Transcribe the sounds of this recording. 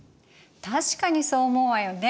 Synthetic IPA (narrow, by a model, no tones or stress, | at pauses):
t̪aɕi̥kaɲ̟iso̞ːmoːβajone